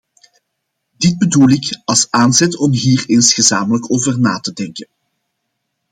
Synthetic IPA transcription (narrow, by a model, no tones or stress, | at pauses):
dɪd̚bədulɪkɑlˠsaːnzɛtɔmɦiːrɪnsxəzaːmələkoːvərnaːtədɛŋkən